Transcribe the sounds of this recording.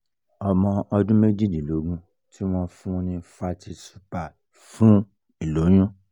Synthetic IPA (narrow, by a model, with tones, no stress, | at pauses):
ɔ˧mɔ̃˧ɔ˧dũ˦me˦d͡ʒi˦˨d͡ʒi˨lo˨˦ɡũ˦ | tʰi˦w̃ɔ̃˦fũ˦nĩ˧fa˧ti˧su̥˦pa˨ | fũ˨˦ | i˨lo˨˦j̃ũ˦